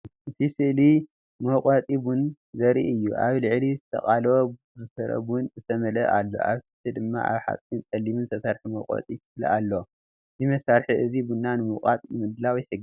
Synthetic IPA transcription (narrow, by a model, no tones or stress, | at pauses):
ʔɨt̪ʰisɨʔli | mɐwqʼat̪ʼibun | zɐɾḭʔɨjːuʔaβlɨʕlizɨt̪ʰɐ̰χʼalo | zɨfɐɾɐ̰bunzɨt̪ʰɐmɐlɐʔalːo̞̰ʔaβsɨt̪ʰɨd̪ɨmːa̰ʔa̰βħa̰t͡sʼint͡sʼɐlimɨnt̪ʰɐsaɾħimɐwqʼo̰t̪ʼik̪ʰɨfl̰alːo | ɨzimɐsaɾħiʔɨzibunːanɨmɐqʼa̰t̪ʼnɨmɨd̪lawjɪħɨɡː